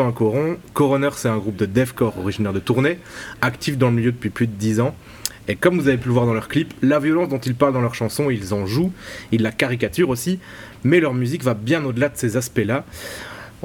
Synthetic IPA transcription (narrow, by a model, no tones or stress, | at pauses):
kɔʁɔ̃kɔʁɔnœʁsɛt̪ɛ̃ɡʁup̚d̪əd̪ɛfkɔʁɔʁiʒinɛʁd̪ət̪uʁneakt̪ifd̪ɑ̃ləmiljød̪əpɥiplyd̪əd̪izɑ̃ | ekɔmvuzavep̬yləvwaʁd̪ɑ̃lœʁkliplavjɔlɑ̃sd̪ɔ̃t̪ilpaʁld̪ɑ̃lœʁʃɑ̃sɔ̃ilzɑ̃ʒuillːakaʁik̬at̪yʁosi | mɛlœʁmyzikvabjɛ̃nod̪əlad̪əsezaspɛla